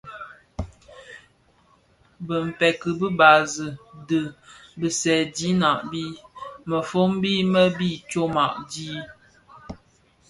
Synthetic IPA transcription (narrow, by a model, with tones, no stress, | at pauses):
bə˨m̩˨pɛ˨kə˨bə˦ba˨zə˨də˨bə˨sɛ˨di˨˦na˨ʔbi˦mə˨fo˦mbi˦mə˦bi˦˨t͡ʃo˦ma˨ʔdiː˦